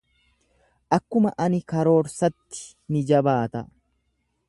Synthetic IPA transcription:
ʔɐkːʊmɐʔɐnɪkɐɾo̞ːɾsɐt̪ːɪ̥ | nɪd͡ʒɐbaːt̪ɐ

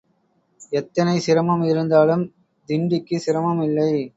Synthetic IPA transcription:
ɛt̪ːɐnɐɪsɪɾɐmɐmɪɾɯnd̪aːlɯm | d̪ɪɳɖɪkːɯsɪɾɐmɐmɪlːɐɪ

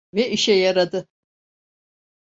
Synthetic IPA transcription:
vɛʔiʃɛjaɾad̪ɯ

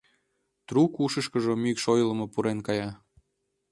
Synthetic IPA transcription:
t̪ɾukuʃəʃkəʒomykʃojlə̆mopuɾenkɑjɑ

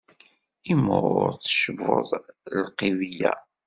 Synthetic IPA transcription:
iməɾˤʊ̰ɾθə̥ʃəvo̰ðˤlqivijæ

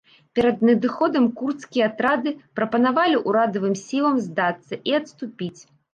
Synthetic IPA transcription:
pʲɛɾɐd̪nʲɐd̪ɨxɔd̪ɐmkurt̪skʲijɛat̪ɾad̪ɨpɾɐpɐnavalʲiʔuɾad̪ɐvɨmsʲilˠɐmzd̪at̪sːɐʔiɐt̪st̪upʲit͡sʲ

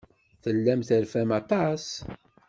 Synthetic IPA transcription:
θəlːæmθæɾfæmɑt̪ˤɑs

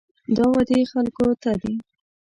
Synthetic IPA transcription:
d̪ɑwad̪exalkot̪ad̪i

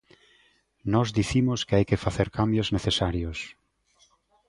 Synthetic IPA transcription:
nɔzd̪iθimʊskeajkɪfaθeɾkambjozneθesaɾjʊs

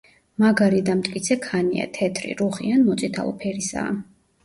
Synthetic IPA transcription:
maɡaɾid̪amt̪ʼkʼit̪sʰɛkʰanḭa̰t̪ʰɛt̪ʰɾḭɾuχḭanmɔt̪sʼit̪ʰa̰lˠɔ̰pʰɛɾisa̰ː

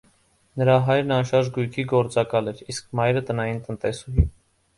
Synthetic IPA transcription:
nəɾɑɦɑjɾnɑnʃɑɾʒɡujkʰiɡɔɾt͡sɑkɑlɛɾisk̚ʰmɑjɾət̪ənɑjint̪ənt̪ɛsuɦḭ

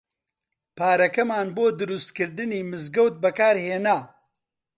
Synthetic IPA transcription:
paːɾɐkɐmaːnboːd̪ɨɾust̪kɨɾd̪ɨniːmɨzɡɐwt̪̚bɐkaːɾheːnaː

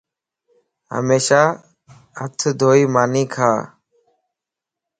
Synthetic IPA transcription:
ɦə̰meːʃaː | ə̰t̪ʰd̪ʱoːiːmaːniːkʰaː

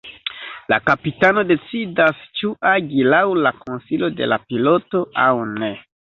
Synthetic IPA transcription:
la̰kapitano̞de̞t͡sidast͡ʃuʔaɡilawlakonsilo̞de̞̰lapilo̞to̞awne̞

